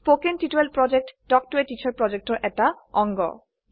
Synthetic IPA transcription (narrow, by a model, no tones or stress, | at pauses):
pokenʈiʈoelpɾɔd͡ʑek̚ʈɖɔk̚ʈoeʈit͡ɕʰaɾpɾɔd͡ʑek̚ʈoɾʔɛk̚ʈa | ɔŋɡo̰